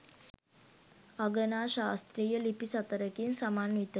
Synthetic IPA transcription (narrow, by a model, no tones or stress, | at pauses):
aɡənaːʃaːst̪ɾiːjəlipisɐt̪əɾəkinsamaːnʋit̪ə